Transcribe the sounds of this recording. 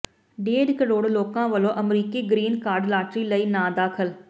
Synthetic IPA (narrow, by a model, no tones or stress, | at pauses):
ɖeːɖkəɽoːɽloːkãːʋəloʔɐmɾiːkiɡɾiːnkaːɾɖlaːʈɾiləiːnãːd̪aːkʰəl